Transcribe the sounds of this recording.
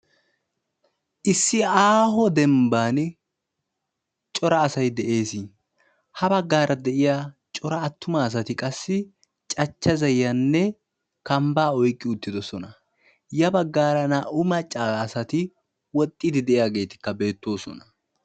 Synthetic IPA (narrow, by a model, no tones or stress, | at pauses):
ʔɪsːɪaːɦɔd̪ɛmbaːn | t͡ʃʼɔɾɐːsɐjd̪ɛʔe̞ːsɪ | hɐbɐɡːaːɾʔɐd̪ɛʔɪjaːt͡ʃʼɔɾɐːt̪ʰːʊmɐːs̬ɐt̪ɪkʼɐsːɪ | t͡ʃʼɐt͡ʃːɐzɐjːɐnːɛ | kɐmbaːɔjkʼːɪʊt̪ːɪd̪ɔsɔnɐ | jɐbɐɡːaːɾɐnɐʔʊmɐt͡ʃʼːaːsɐt̪ɪ | wɔt̪ʼːɪd̪ɪd̪ɛʔɪjaːɡe̞ːt̪ɪ̥kːɐbe̞ːt̪ːo̞ːsɔ̰nɐ̥